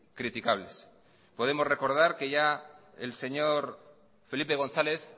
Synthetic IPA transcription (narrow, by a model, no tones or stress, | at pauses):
kɾit̪ikaβ̞le̞s | po̞ð̞e̞mo̞zre̞ko̞ɾð̞aɾke̞ʝa | ḛlse̞ɲo̞ɾ | fe̞lipe̞ɣ̞o̞nθale̞θ